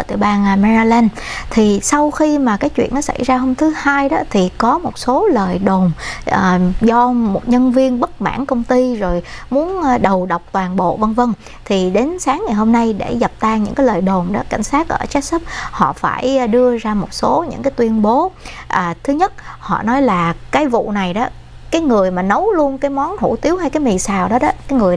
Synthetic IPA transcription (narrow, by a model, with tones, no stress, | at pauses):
əː˧˩t̪ɨ̰˧˨˩jɓaː˧n˧mɛ˧i˧lɛ˧n | t̪ʰi˨˩sa˧wxi˧maː˨˩kaː˨˦jt͡ɕwḭ˧˨ənːɔ˨˦sa̰˧˩jzaː˧ɦo˧wmt̪ʰɨ˨˦haː˧jɗɔ̰˨˦t̪ʰi˨˩kɔ˨˦mo˨˩t̚so˨˦ləː˨˩jɗo˨˩maː˨˩zɔ˧mo˨˩t̚ɲə˧nvi˧ənɓə˦˥t̚ma̰ː˧˩˨nkə˧wŋ͡mt̪i˧zo˨˩jmu˨˦ənː˧ɗə˨˩wɗə˨˩wk͡p̚t̪waː˨˩nɓo̰˧˨və˧ŋvə˧ŋ | t̪ʰi˨˩ɗe˨˦nsaː˨˦ŋːa˨˩jɦo˧mna˧jɗe˧˩ɣa˨˩p̚t̪aː˧ŋɲɨ̰˧˥ŋkaː˨˦ləː˨˩jɗo˨˩mɗɔ̰˨˦ka̰˧˩jŋ̟saː˦˥t̚ʔəː˧˩t͡ɕa˦˥k̚sə˦˥p̚hɔ̰˧˨fa̰ː˧˩jɗɨ˧əzaː˧mo˨˩t̚so˨˦ɲɨ̰˧˥ŋkaː˨˦jt̪wi˧ənɓo˨˦ʔaː˨˩t̪ʰɨ˨˦ɲə˦˥t̚hɔ̰˧˨nɔ˨˦jlaː˨˩kaː˨˦jvṵ˧˨na˨˩jɗɔ˨˦ | kaː˨˦jŋɨ˨˩əjmaː˨˩nə˨˦wlu˧ənkaː˨˦jmɔ˨˦nhṵ˧˩t̪i˨˦əwhɦa˧jkaː˨˦jmi˨˩saː˨˩wɗɔ˨˦ɗɔ˨˦kaː˨˦jŋɨ˨˩əj